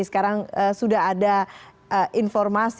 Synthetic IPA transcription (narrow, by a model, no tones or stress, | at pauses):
sə̥kaɾaŋəsudaɦada | əʔinfɔrmas